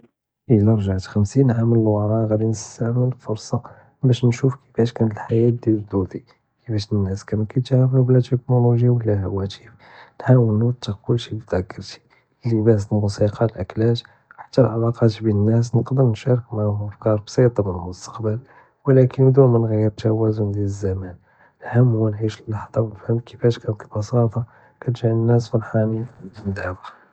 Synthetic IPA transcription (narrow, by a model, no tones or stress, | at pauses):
ʔəlːæɾˤʒaʕt̪xəmsinʕamələlwɑɾˤɑɣæd̪inəst̪aʕməlfʊɾsˤɑ | bæʃnʃufkʰə̥fæʃkænət̪əlħajæt̪̚d̪ild̪ud̪i | kəfæʃənːæskæmækæjt̪aʕɾəfublæt̪əknuluʒiwəlːæhwæt̪if | nħawənːut̪ːəkʊlːʃibid̪ækːəɾt̪i̥ | əlːibæs̬t̪nmʊsiqʰɑlʔæklæt̪ | ħḁt̪ːælʕalɑqɑt̪binənːæs̬nəqd̪əɾnʃæɾˤəkmæhuəfkɑɾˤbsˤit̪ˤɑmənəmʊst̪ḁqbəl | wlækʰənd̪umənɣəjːəɾt̪æwæzund̪iləzːæmæn | həmːwænʕiʃəlːɑħd̪ˤɑwnfhəmkʰəfæʃkænt̪k̪ibɑsɑt̪ˤɑ | kæt̪ʒiʕənːæsfilħamid̪ənd̪æbæ